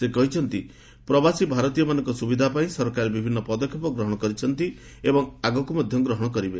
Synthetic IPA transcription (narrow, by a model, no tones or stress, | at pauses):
sekɔɦit͡ʃʰɔnt̪i | pɾɔbasibʱaɾɔt̪ijɔmanɔ̃ŋkɔsubid̪ʱapaĩsɔɾkaɾebibʱinːɔpɔd̪ɔkʰːjɔpɔɡɾɔɦɔɽ̃ɔkɔɾit͡ʃʰɔnt̪i | ebɔŋaɡɔkumɔd̪ʱjɔɡɾɔɦɔɽ̃ɔkɔɾibe